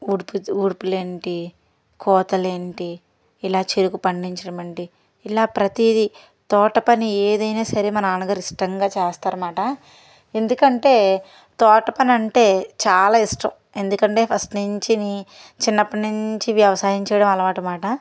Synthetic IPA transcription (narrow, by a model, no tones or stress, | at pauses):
uɾpuuːɾpule̞ːɳʈi | kʰɔːt̪ɐleːɳʈiː | laːt͡ʃeɾukupɐɳɖiɲt͡ʃɐɽɐmɐɳʈiː | laːpɾɐt̪id̪i | t̪ɔːʈɐpɐnieːd̪ɐjnaːsɐɾeːmɐnɐaːnɐɡaːɾiʂʈɐŋɡaːt͡ʃɛːst̪aːɾɐmaːʈɐ | e̞nd̪ukɐɳʈe̞ː | t̪ɔːʈɐpɐnɐɳʈe̞ːt͡ʃaːlaːisʂʈɐ̰m | e̞nd̪ukɐɳʈe̞ːpʰɐsʈnuɲt͡ʃini | t͡ʃinːɐpɐnuɲt͡ʃiʋjɐʋɐsaːɦiɲt͡ʃɛːjɐɽɐmɐlɐʋaːʈɐmaːʈɐ